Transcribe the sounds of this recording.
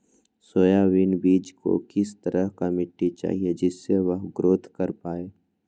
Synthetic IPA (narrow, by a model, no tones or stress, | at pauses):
soːjaʋɪnbiːd͡ʒko̰kɪst̪əɾəɦkamɪʈːit͡ʃa̰ːɦied͡ʒɪsːeʋəɦɡɾoːt̪ʰkəɾpaːeː